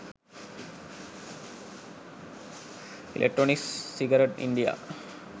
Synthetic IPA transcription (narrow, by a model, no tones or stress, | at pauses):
ḭlʔḛk̚ʈːɾoːnikssiɡɐɾeʈḭɳɖija̰